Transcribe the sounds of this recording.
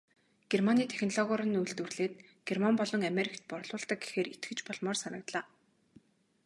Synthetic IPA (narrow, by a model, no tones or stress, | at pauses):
ɡ̥ermaniːt̪ʰe̥xnɔɮɔɣɔɾə̆nujɮt̪ŭrɮeːt̪̚ɡ̥ermampɔɮɞ̆ŋameɾikt̪̚pɔrɮʊːɮt̪ə̆k̚ɡe̥xeːɾʔit̪ɡɘ̆t͡ɕpɔɮmɔːrsanə̆kt̪ɮaː